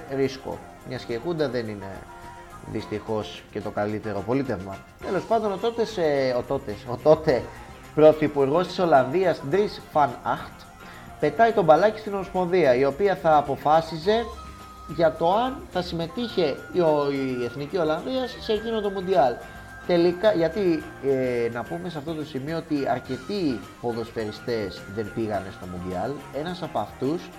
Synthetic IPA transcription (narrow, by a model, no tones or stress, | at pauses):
ɾisko̰ | mɲɐsceɣund̪ɐðe̞nine̞̰ | ðḭst̪ixo̞sce̞t̪o̞kɐlit̪e̞ɾo̞po̞lit̪e̞vmɐ̰ | t̪e̞lo̞spɐnd̪o̞no̞t̪o̞t̪e̞seot̪o̞t̪eso̞t̪o̞t̪e̞ | pɾo̞θipuɾɣo̞st̪iso̞lɐnðiɐsd̪ɾisfɐnɐxt̪ | pe̞t̪ɐjt̪o̞bɐlɐci̥st̪inolospo̞nðiɐio̞piɐθɐːpo̞fɐsize̞ | ʝɐt̪o̞ɐnθɐsime̞t̪içe̞ioeθnicio̞lɐnðiɐsːe̞ʝino̞nd̪o̞mund̪iɐl | t̪e̞likɐʝɐt̪i | enɐpume̞seɐft̪o̞t̪o̞simio̞ot̪iɐ̰ɾce̞t̪i | po̞ðo̞sfe̞ɾist̪e̞zðe̞nbiɣɐne̞st̪o̞mund̪ḭɐ̰le̞nɐsɐpoɐft̪us